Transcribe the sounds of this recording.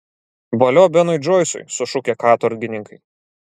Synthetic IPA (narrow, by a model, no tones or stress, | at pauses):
bɐlʲoːbʲɛnɔjd͡ʒɔːjsʊ̰jsʊʃʊkʲeːkɑːt̪ɔɾʲɡʲɪnʲɪŋkɐɪ